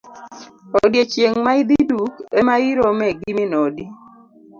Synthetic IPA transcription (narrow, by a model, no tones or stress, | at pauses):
ɔdjet͡ʃjeŋmaid̪idukemaiɾomɛɡiminɔdi